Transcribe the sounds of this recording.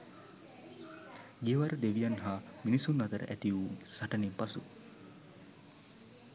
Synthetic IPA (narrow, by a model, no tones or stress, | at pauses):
ɡeəʋaɾəd̪eʋijanɦaminisunːɐt̪əɾə̰ʔæt̪iuːsaʈɐnimpasṵ